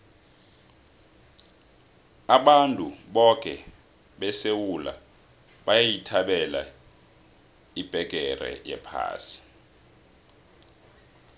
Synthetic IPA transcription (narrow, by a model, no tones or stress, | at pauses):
aɓantʼuɓɔkʼɛ | ɓɛsewula̰ | ɓajajitʰaɓɛla̰ | ib̥ʱɛɡ̥̬ʼʱɛrɛ̰jɛ̰pʰa̰ːsi̥